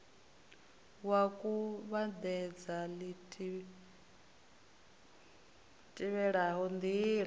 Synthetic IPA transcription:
wakʼuβad̪ɛd͡zalitʼ | tʼiβɛɺaɦɔnd̪iɺa

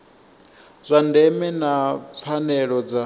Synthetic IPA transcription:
zʷandɛmɛnap̪fʰanɛɺɔd͡za

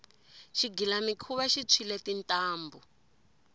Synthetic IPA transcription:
ʃiɡilamikʰuβaʃit͡sʰilɛtintʼaːmbu

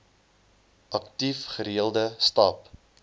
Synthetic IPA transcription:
ʔɐktifχəɾiəlˠdəstɑːp

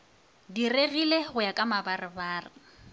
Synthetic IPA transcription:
direɣileχʊjakʼamabarɪbaːrɪ

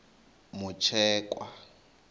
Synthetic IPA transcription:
mʊt͡ʃʰɛːkʼwa

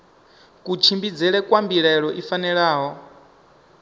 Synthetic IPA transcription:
kut͡ʃʰimbid͡zɛɺɛkʼwambiɺɛɺɔʔifanɛɺaːɦɔ

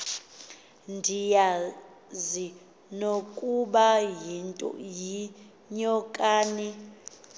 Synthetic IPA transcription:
ndʱija | zi | nokʼuɓajintʼɔ̰ji | ɲɔkʼaːni

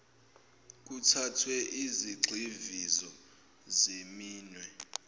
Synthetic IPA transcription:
k̬utʰatʰwɛʔiziɡ͡ǀʱivizɔ | zemiːnwɛ

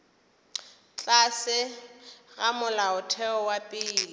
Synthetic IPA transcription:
t͡ɬʼasɪ | ɣamʊlaʊtʰɛɔwapʼɪːlɪ

